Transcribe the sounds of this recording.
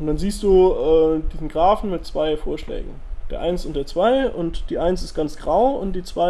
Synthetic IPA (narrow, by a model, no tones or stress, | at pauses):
ʊntd̥anziːstd̥uːʔɛːd̥iːzn̩ɡʁaːfn̩mɪt̚t͡sv̥aɪfoːɐʃlɛ̰ːɡŋ̩d̥eːɐʔaɪnsʊnt̚d̥eːɐt͡sv̥aɪʊntd̥iːʔaɪnsɪst̚ɡ̥ant͡sɡ̥ʁaʊʊnt̚d̥iːt͡sv̥aɪ